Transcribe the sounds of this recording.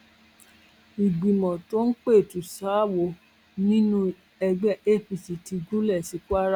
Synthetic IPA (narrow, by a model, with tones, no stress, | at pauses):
i˨ɡ͡bi˨mɔ̃˨to˦n̩˦k͡pe˦˨tu˨˦sa˨˦wo˨˧˦ | nĩ˦nũ˦ | ɛ˧ɡ͡bɛ˦ʔe˦˨fi˧˨si˨ti˧ɡu˦lɛ˦˨si˨˦ku˦a˦ɾa˦